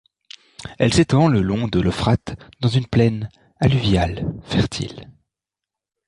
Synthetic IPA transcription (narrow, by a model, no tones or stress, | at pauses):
ɛlset̪ɑ̃ləlɔ̃d̪əlɔfχat̪d̪̥ɑ̃zynplɛn | alyvjalfɛʁt̪ʰḭl